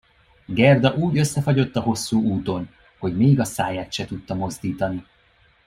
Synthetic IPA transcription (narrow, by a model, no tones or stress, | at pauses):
ɡɛrd̪ɒʔuːɟø̞sːɛfɒɟo̞t̪ːɒɦo̞sːuːuːt̪o̞n | ho̞ɟmeːɡɒsaːjaːt̪ʃɛt̪ut̪ːɒmo̞zd̪iːt̪ɒni